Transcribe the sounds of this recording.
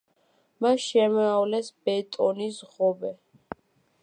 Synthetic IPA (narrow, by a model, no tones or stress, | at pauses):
maʃɛmɛavlɛsb̥ɛt̪ʼɔnisʁɔbɛ